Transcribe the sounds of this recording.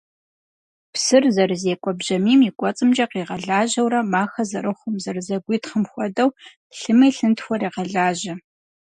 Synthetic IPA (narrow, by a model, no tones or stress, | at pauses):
psɨrzɐrɨzeːkʷʼɔbʑɐmiːmikʷʼɔt͡sʼɨmd͡ʒʼɐqiːʁɐɮaːʒɐwɾɐmaːxɐzɐrɨχʷʊmzɐrzɐɡʷiːtχəmxʷɔdɐw | ɬɨmɐjɬɨntxʷɔriːqɐɮaːʒɐ